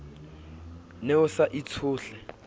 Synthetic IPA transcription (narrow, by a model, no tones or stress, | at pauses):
neʊsaʔit͡sʰʊːɬɛ